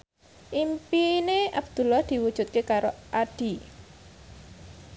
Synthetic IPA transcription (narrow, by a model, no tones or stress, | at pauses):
ʔimpineabd̪̥ṳlahd̪̥i̤wud̥ʒ̥ṳt̪̚kekaɾoʔad̪̥i̤